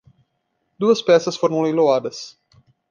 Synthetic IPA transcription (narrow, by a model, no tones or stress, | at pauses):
d̪uɐspɛsɐsfoɾõĩload̪ɐs